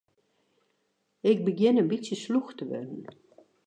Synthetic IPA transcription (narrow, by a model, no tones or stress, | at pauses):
ɪk̚bəɡɪnənbisjəsluxtəʋø̰dən̩